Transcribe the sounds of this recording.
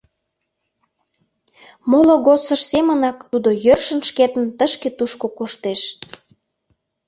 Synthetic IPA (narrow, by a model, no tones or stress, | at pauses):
moloɣosəʃsemənɑkt̪ud̪ojørʃənʃket̪ənt̪əʃket̪uʃkokoʃt̪eʃ